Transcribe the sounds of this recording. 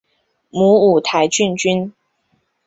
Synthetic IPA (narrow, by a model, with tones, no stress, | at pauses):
mu˧˥u˨˩t̪ʰa˧˦ɪt͡ɕy˥˧nt͡ɕy˥n